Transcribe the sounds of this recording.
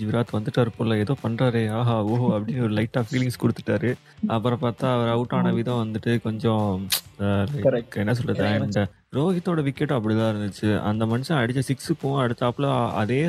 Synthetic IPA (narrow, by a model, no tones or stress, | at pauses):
ʋɪɾaːt̪ɯʋɐnd̪ɯʈːɐʋɾɯpːolːɐɛðoːpɐɳɾaːɾeːaːɦaːoːɦoɐpːɐɽɪnːɔɾɯlɐɪʈːaːfiːlɪŋskʊɽɯt̪ːɯ̥ʈːaːɾɯ | ɐpːɯɾɐ̃paːɾt̪ãːɐʋɐɾɐʊʈːaːnɐʋiːðɐ̃ʋɐnd̪ɯʈːɯkɔɲd͡ʒɔ̃ | lɐɪɛnːɐs̬ɔlːɐðɯɳɖɐ | ɾoːɣɪt̪ːoːɽɐʋɪkːɛʈːɐp̬ːɐɽit̪ãːɪɾɯnd̪ɯt͡ʃːɯɐ̰nd̪ɐmɐnɪʂɐ̃ɐɽɪt͡ʃːɐsɪksɯkːʊ̃ɐɽɯt̪ːɐːpːlɔ̃ɐ̰ðeː